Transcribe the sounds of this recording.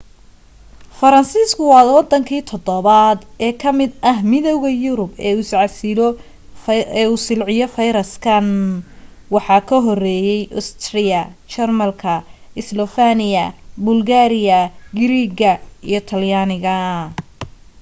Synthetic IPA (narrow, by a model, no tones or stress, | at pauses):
fɐɾɐnsiːskʰʊwɑːwɑd̪ɐŋkʰiːt̪ʰɔd̪ɔβad̪ɛːkʰɐmɪd̪ɐɦmɪðɔwɣɐjʊɾʊbɛːuːɪsʕɑsɪlɔ | ɛːuːsɪlʕɪjɔfɐjɾɐskʰɐn | wɑħɑkʰɐɦɔrɛːjɛjʔʊst̪ʰrɪjɐt͡ʃɛrmɐlkʰɐɪslɔfanɪjɐbʊlɡaːɾɪjɐɡɪɾiːɡɐijɞt̪ʰɐljanɪɣɐ